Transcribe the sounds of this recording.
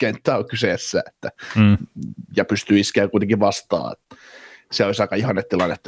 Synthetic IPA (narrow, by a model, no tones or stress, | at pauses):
kent̪ːæːokyseˑsːæ̰et̪ːæ | jɑpyst̪yiskæːkuit̪eŋkiʋʋɑst̪ɑ̰ːḛt̪ | seoˑisɑˑikɑihɑnːet̪t̪ːilɑnːet̪ː